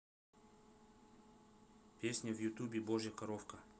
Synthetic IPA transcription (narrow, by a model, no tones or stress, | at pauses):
pʲesʲnʲəvjut̪ubʲɪboʒjəkɐɾofkə